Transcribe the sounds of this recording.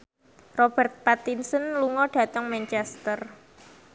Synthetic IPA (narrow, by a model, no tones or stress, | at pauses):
rɔb̥ɛrt̪̚pat̪insənluŋɔɖ̥ä̤t̪əŋmɛnt͡ʃɛst̪ər